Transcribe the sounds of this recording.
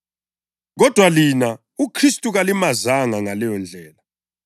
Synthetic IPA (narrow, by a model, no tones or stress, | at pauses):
ɣɔd̥ʱwalina | ukʰristʼuɣalimazaŋaŋalɛjɔnd͡ɮʱɛːla